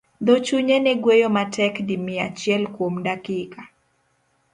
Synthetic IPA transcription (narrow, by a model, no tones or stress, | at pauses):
d̪ot͡ʃuɲenɛɡwejomatʰɛkdimɪat͡ʃjɛlkwomdakika